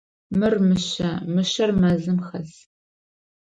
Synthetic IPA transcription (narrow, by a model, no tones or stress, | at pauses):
mɨrmɨɕɐmɨʃɐrmɐzɨmxɐs